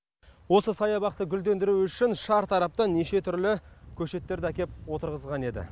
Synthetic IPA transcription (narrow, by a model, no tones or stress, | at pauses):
wo̞səsɑjɑbɑq̚t̪əɡʲʏld̪e̞nd̪ɪɾuʏʃɪnʃɑɾt̪ʰɑɾɑp̚t̪ɑneʃe̞t̪ʰʏɾlɪkʲʰɵʃe̞t̪ːe̞ɾd̪ɪækʲe̞p̚wo̞t̪əɾʁəzʁɑne̞d̪ɪ̰